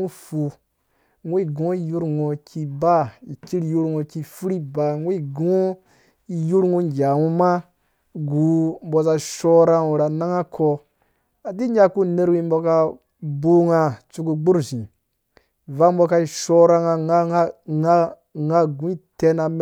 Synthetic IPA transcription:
u˦fu˨ | ŋwi˦˨ɡõ˦i˦ju˦ɾŋo˨ki˧ba˦i˨ki˦ɾju˦ɾŋo˨ki˦˧fu˦ɾi˦ba˨ŋwi˦ɡõ˦ | i˨ju˦ɾŋu˦˨d͡ʒa˨wu˦ma˦ | ɡu˨m˦bo˧za˧˨ʃo˦ɾa˦wu˨ɾa˨na˦ŋa˦kʰo˧ | a˨di˦ɲa˦ku˦ne˦ɾwi˦m˦bo˧ka˧ | bu˦ŋa˧˨t͡ʃu˧ku˧ɡ͡bu˦ɾzĩ˨ | va˦m˦bo˧ka˧i˨ʃo˦ɾa˦ŋa˧ŋa˦ŋa˦ | ŋa˦ɡũ˨˦i˦te˦na˧m˦

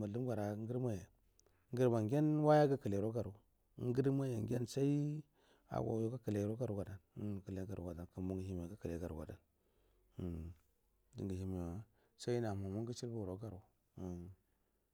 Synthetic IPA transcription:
ma˨lu˦m˦ɡʷa˨ɾa˨˦ŋɡi˦ɾma˦je˨˦ | ŋɡə˦ɾma˨ŋɡʲe˦nwa˦ja˦ɡa˦kə˨le˨ɾo˦ɡa˨ɾu˨˦ | ŋɡə˦ɾma˦je˨ŋɡʲe˦nsa˦i˦ | a̰˨ɡʷa̰˨˦jo˦ka˦ki˨le˨˦ɾo˦ɡa˦ɾu˨˦ɡa˨da˨n˦˨kə˨le˦ɡa˨ɾṵ˨ɡa˨da˨nka˨mbu˦ŋɡi˨hi˦m˨a˨ɡa˦ki˨le˨˦ɡa˨ɾṵ˨ɡa̰˨da̰˨n˨ | dḭ˨ŋɡi˨hi˨˦m˨a˦ | sa˦i˦na˨ma˨mu˦ŋɡi˦t͡ʃi˦ɾwu˨ɾo˨˦ɡa˨ɾu˨

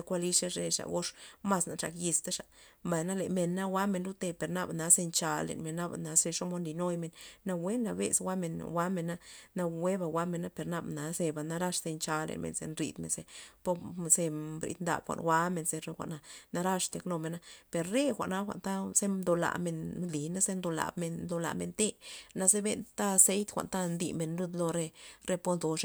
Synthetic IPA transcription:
a˧kʷa˧li˦ʂe˦ʂe˧ʂa̰˨ɡo˦ʂma˧sna˨t͡ʃa̰˧kji˧st̪a˦ʂa˨mba˨jna˦le˨me˨nːa˦wa˦me˧nlu˦t̪e˧pe˨ɾna˧bna˨˦ze˧nt͡ʃa˧lḛ˨nme˨nːa˦ba̰˨na˨˦ze˧ʂo˦mo˧˦nli˨no˦jme˨nːa˧we˦nːa˧bḛ˧swʷa˦me˨nwa˧˦me˨nːa˦na˧we˦ba˧˨wa˧˦me˧nːa˦pe˨ɾna˧bna˨˦ze˧ba˨na˦ɾa˦ʂse˧nt͡ʃa˧lḛ˨nmḛ˨nzḛ˧nɾḭ˧d̪mḛ˨nze˧po˧ze˧bɾḭ˨˧d̪nd̪a̰˨bxʷa̰˧˨nwa˦me˧nze˧ɾe˧xʷa̰˨ʔna˧na˧ɾa˦ʂt̪e˧kno˧me˨na˦pe˨ɾɾe˦xʷa̰˨ʔna˦xʷa̰˨nt̪a˦z̥e˦d̪o˧la̰˨me˧nli˨na˦ze˦nd̪o˧la̰˨bme˧nd̪o˧la̰˨me˧nt̪e˦na˧ze˦be˧nt̪a˦˧se˦jt̪xʷa̰˨nt̪a˦nd̪ḭ˧˨me˨nlu˦d̪lo˧ɾe˧ɾe˦˧po˦nd̪o˧ʂ

